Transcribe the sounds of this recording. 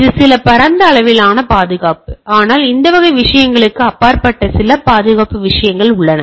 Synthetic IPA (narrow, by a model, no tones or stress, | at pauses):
ðɯsɪlɐpɐɾɐnd̪ɐːɭɐʋɪlaːnɐpaːðɯɣaːpɯaːnaːlɪnd̪ɐʋɐɣɐɪʋɪʂɐjɐŋɡɐɭɯkːɯɐpːaːɾpɐʈːɐsɪlɐpaːðɯɣaːpːɯʋɪʂɐjɐŋɡɐɭʊɭːɐnɐ